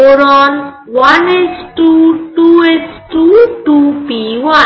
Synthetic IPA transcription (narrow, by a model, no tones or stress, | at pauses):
oɾɔn | wanesʈuʈuesʈuʈupiwa